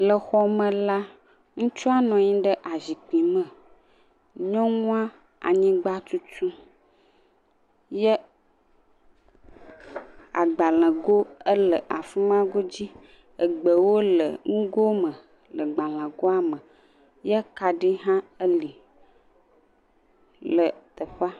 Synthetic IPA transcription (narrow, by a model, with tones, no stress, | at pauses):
lə˨xɔ˦mə̃˨la˦ | ŋũ˦t͡ʃu˦a˦nɔ̃˨ɲĩ˦ɖə˦ʔa˨zi˨k͡pi˨mə̃˨ | ɲɔ̃˦ŋũ˦ã˦ | a̰˨ɲĩ˦ɡ͡ba˦t̪u˦t͡ʃu˦ | jə˦ | a̰˨ɡ͡ba˨lə̃˨ɡo˦ə˦lə˨ʔa˨fi˦m˦ã˦ɡo˦d͡ʑi˦ | ə˨ɡ͡bə˨wo˦lə˨ŋũ˦ɡo˦mə˨ | lə˨ɡ͡ba˨lə̃˨ɡo˦a˦mə̃˨ | jə˦ka˨ɖi˦ɦã˦ə˦li˨ | lə˨t̪ə˨ɸa˦